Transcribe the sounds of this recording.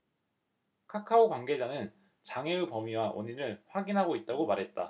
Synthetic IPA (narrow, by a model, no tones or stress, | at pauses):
kʰakʰaokwaŋɡe̞d͡ʑanɯn | t͡ɕaŋe̞upʌmiwaʔo̰ɲiɾɯɭɸwaɡinɦaɡoit̚t͈aɡomaɾɦe̞t̚t͈a